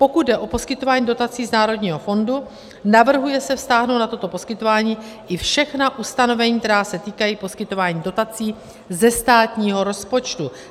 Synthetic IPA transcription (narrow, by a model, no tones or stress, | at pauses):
po̞kud̪̚dɛʔo̞po̞skɪt̪o̞vaːɲiːdo̞t̪at͡siːznaːɾo̞dɲiːɦo̞fo̞ndu | navr̩ɦujɛsɛfst̪aːɦnownat̪o̞t̪o̞po̞skɪt̪o̞vaːɲiː | ʔɪfʃɛxnaʔust̪ano̞vɛɲiːk̚t̪ɛɾaːsɛt̪iːkajiːpo̞skɪt̪o̞vaːɲiːdo̞t̪at͡siː | zɛst̪aːt̪ɲiːɦo̞ɾo̞spo̞t͡ʃt̪u